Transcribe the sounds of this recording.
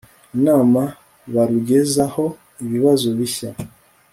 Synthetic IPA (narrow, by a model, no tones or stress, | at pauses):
naːma | βaɾuɟe̞zaho̞ | iβiβazo̞βiça